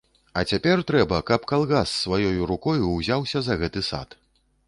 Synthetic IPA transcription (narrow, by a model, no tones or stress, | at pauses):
ɐt͡sʲapʲɛrt̪ɾɛbɐkɐpkalˠɣasːvajɔjuɾukɔjuwzʲawsʲɐzɐɣɛt̪ɨsa̰t̪